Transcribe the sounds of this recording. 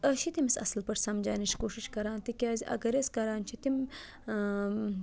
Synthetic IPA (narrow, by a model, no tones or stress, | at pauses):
əʃit̪imisɐ̰sɐlpɐʈsɐmd͡ʒaːniʃkoːʃiʃkɐɾaːnt̪ikʲaːziʔɐ̰ɡɐɾeskɐɾaːnt͡ʃʰit̪im